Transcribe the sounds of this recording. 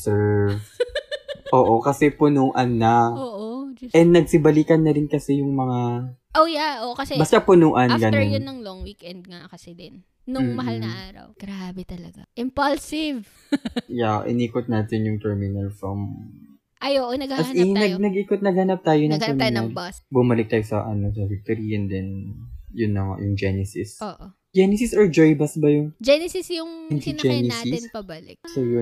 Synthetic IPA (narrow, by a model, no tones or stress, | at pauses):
sɛɹv | ʔoːʔokɐsɛpʊnuʔɐnːɐoʔʔɛd̪ːɐɡ̚sɪbɐliːkɐnːɐɾɪnkɐsɛjʊŋmɐŋaʔojaʔoʔokɐsɛbɐst̪apʊnuːʔɐnɡɐnonɐnɐŋlɔŋwikɛnd̪̚ŋakɐsɛd̪ɛn | nʊŋmɐhalɐaːɾɐ̰wɡ̥ɾabɛt̪ɐlɐɡaʔɪmpɐlsɪv | jaʔɪ̰niːkot̪̚naːt̪ɪnjʊŋt̪ɛɹmɪnɐlfɾɐm | ʔɐjoʔonɐɡahɐɐinɐɡnɐɡʔiːkot̪̚nɐɡ̚hɐnɐp̚t̪aːjonɐŋɛɹmɪnɐɐŋlbɐsbʊmɐlɪk̚t̪aːjosɐʔɐnos̬ɐvik̚t̪oɾiɛnd̪ɛnjʊnːɐŋo̰jʊŋd͡ʒɛnɛsɪsoːʔo | d͡ʒɛnɛsɪsɔɹd͡ʒojbɐsbɐjʊŋd͡ʒɛnɛsɪsjʊŋʊnsɐnd͡ʒɛnɛsɪnpɐbɐlɪ̰k̚sojʊ